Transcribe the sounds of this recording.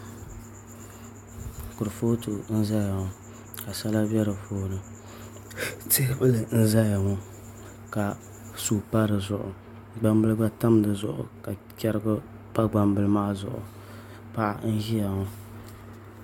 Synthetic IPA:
kʊ˨ɾɨ˨fo˦tu˨n̩˦za˦ja˨ŋʊ˨ | ka˨sa˦la˦bɛ˦ɾɨ˨foː˦nɨ˨ | te˦bɨ˦lɨ˨n̩˦za˦ja˨ŋʊ˦ | ka˨ | suː˦pa˦ɾɨ˨zʊ˨ʔʊ̰˨ | ɡ͡ba˦mbɨ˦lɨ˦ba˦ta˦m˦dɨ˨zʊ̰˨ʔʊ̰˨ka˨ | kʲɛ˦ɾɨ˦ɡʊ˦ | pa˦ɡ͡ba˨mbɨ˨lɨ˦ma˦˨zʊ̰˨ʔʊ̰˨ | pa˦ʔa̰˨n̩˦ʒi˦ja˨ŋʊ˦

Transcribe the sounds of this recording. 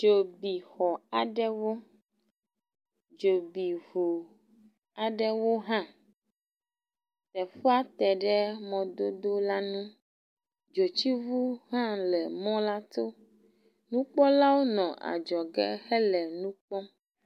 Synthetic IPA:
d͡ʒo˨bi˨xɔ˨a˨ɖɛ˦wo˦ | d͡ʒo˨bi˨vu˨ | a˨ɖɛ˦wo˦ɦã˦ | t̪ɛ˨fo˦a˦t̪ɛ˨ɖɛ˦mɔ̃˨d̪o˦d̪o˦la˦nũ˦ | d͡ʒo˨t͡ɕi˦vu˦ɦã˦lɛ˨mɔ̃˦la˦t̪o˦ | nũ˦k͡pɔ˦la˦wo˦nɔ̃˨ʔa̰˨d͡ʒɔ˨ɡɛ˦xɛ˦lɛ˨nũ˦k͡pɔ˦

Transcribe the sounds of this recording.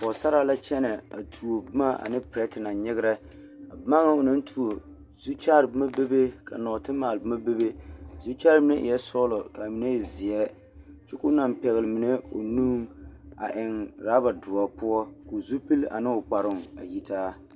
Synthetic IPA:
pɔ˨sa˦ɾa˦la˦t͡ʃɛ˦nɛ˨a˨tʰu˨o˨bma˦ʔa̰˨nɪ˦pɾɛ˦tna˨ɲɪ˦ɡɪ˦ɾɛ˦ | a˨bma˦ŋa˦ʊ˨nɨ˦n˦tʰu˨o˨ | zu˦t͡ʃa˦ɾbma˦be˦be˦ka̰˨nɔ˨tɨ˦maː˨lbɨ˦ma˦be˦be˦zu˦t͡ʃa˦ɾbɪ˦ne˦ʔɪ̰˨jɛ˦sɔ˦lɔ˨ka˨mɪ˨ne˦˨zɪ˨ɛ˦ | t͡ʃu˦kʊ˦na˨m˨pɛ˨ɣɪ˨lɨ˨mɪ˨ne˦o̰˨nuː˦ŋa̰˨ʔɪ˨ŋɾaː˦ba˨dʊ˨a˨pʊ˦ɔ˦ko˨zu˦pi˦la̰˨nɪ˦ʊ˨k͡pa˨ɾʊ˦ŋa˨ji˦taː˦

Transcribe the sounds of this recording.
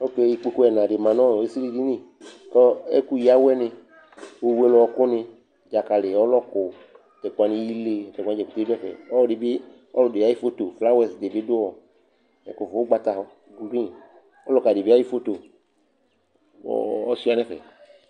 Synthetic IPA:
o˦ke˦˨ji˨k͡pe˦ko˦ɛ˨nã˨ɖɪ˨mã˨nɔ̃˦˨e˦si˦li˦di˦ni˦ | kɔ˦ɛ̰˦ku˦ji˨˦a˦wɛ˦nɪ̃˧ | wo˦wu˦e˦lɔ˨ɔ˨kʊ˦nɪ̃˧ | d͡ʒa˨ka˨le˨ɔ˦lɔ˦kʊ˨ | t̪ɛ˨k͡pa˨nĩ˦ji˦le˦˨tɛ˨kã˦ɛ˨ku˨te˦dɛ˦fɛ̰˨ɔ˦lɔ˨ɖi˨bi˦ | ɔ˦lʊ˨de˨a˨˦ji˦fo˦t̪o˨fla˦wɛ̃˨sde˨bɪ˦dʊ˦ɔ˨ | ɛ̰˨kʊ˨vo˨˦ɡ͡ba˨t̪a˨ɦɔ˦ | ɡu˨ɡĩ˦ | ɔ˦lɔ˦ka˨di˨bi˦a˦ji˦fo˦t̪o˨ | ɔ̰˨ɔ˦si˦a˨˦nɛ̃˦fɛ̰˨

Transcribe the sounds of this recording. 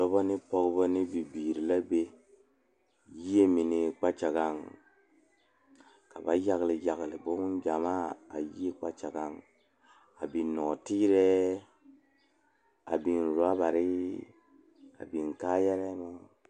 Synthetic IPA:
lɔ˦bo˦ni˦po˦ɡbə˦ni˦bi˨bi˨ɾi˨la˦be˦ | ji˦e˦mi˨ni˨k͡pa˦t͡ʃa˨ɡa˦ŋ | ka˨ba˨ja˨kli˨ja˨kli˨bo˦m˦nd͡ʒa˨ma˦a̰˨ji˦e˦k͡pa˦t͡ʃa˨ɡa˨˦n | a̰˨bi˨nɔ˨ti˦ɾɛ˦ | a̰˨bi˨nɾu˨a˦ba˨ɾi˦ | a̰˨bi˨nka˦jɛ˦ɾɛ˦ma˦

